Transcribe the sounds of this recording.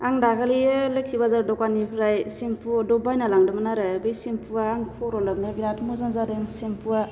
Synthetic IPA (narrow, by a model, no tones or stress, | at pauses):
aŋdakʰaliɯlɯkʰibazaɾdɔkanipʰɾajsimpʰudɔbajnalaŋdɯmanaɾɯbɯjsimpʰuaːŋpʰɔɾɔlab̚nɯbiɾatmuzanzadɯŋsimpʰua